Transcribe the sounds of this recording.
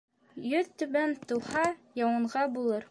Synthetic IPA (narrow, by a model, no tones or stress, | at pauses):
jɵðt̪ɵ̆βænt̪ŭw̪ˠhɑjɑwɤ̆ɴʁɑbulˠɤɾ